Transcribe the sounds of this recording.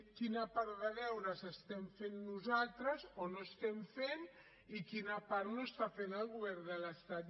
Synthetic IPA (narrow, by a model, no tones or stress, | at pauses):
kinapaɾðaðɛwɾasest̪ɛɱfenːuzalt̪ɾazonoest̪ɛmfen | ikinapaɾnoest̪afenalɣuβɛɾðəlast̪at̪